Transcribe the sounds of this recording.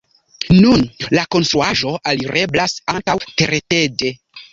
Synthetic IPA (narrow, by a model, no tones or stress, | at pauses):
nunlako̞nstɾuaʒo̞aliɾe̞blasantawteɾete̞de̞